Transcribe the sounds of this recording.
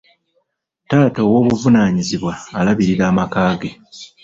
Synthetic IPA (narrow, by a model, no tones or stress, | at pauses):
taːto̞ːwo̞ːβuvunaːɲiziβwaːlaβiɾiɾaːmakaːɡe̞